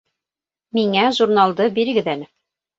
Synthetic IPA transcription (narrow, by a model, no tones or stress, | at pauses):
miŋæʒuɾnalˠd̪ɤbiɾɘ̆ɡɘ̆ðænɘ